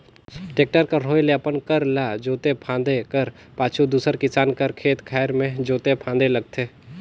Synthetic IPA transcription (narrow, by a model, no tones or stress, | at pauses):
ʈeːk̚ʈəɾkaɾoːeljapənkəɾlad͡ʒoːt̪epʰãːnd̪ekəɾ | paːt͡ʃʰud̪uːsəɾkɪsaːnkəɾkʰeːt̪kʰɛːɾmẽd͡ʒoːt̪epʰãːnd̪eləɡ̚t̪ʰeː